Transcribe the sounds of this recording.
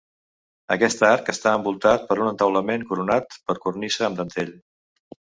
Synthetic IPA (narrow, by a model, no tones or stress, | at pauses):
əkɛst̪əaɾkəst̪aəmbulˠt̪at̪̚pəɾunənt̪əwləmeŋkuɾunat̪pəɾkurnisəːmd̪ənt̪eʎ